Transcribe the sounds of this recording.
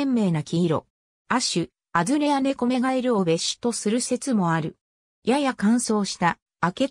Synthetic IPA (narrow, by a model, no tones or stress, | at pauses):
mːe̞ːnakʲiiɾo̞̰ | aɕɨ | azɨɾe̞jane̞ko̞me̞ɡae̞ɾɯ̟o̞be̞ɕi̥t̪o̞sɨɾɯ̟se̞t͡sɨmo̞aɾɯ̟ | jajakãɰ̃so̞ːɕi̥t̪aː | ke̞